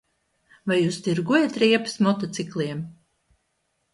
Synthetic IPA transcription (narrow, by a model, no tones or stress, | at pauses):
vajːuːst̪iɾɡuɔjat̪ɾiɛpɨ̥smɔt̪ɔt̪siklˠiɛm